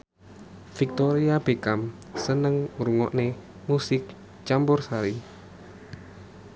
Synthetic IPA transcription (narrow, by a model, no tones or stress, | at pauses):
fik̚t̪oɾiab̥ekam | sənəŋɾuŋɔʔne | musɪk̚ | t͡ʃambʊrsaɾi